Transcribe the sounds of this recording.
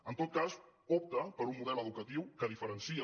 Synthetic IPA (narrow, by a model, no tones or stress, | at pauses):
ənt̪ot̪̚kazɔp̚t̪əpəɾumːuðɛləðukət̪iwkəðifəɾənsiə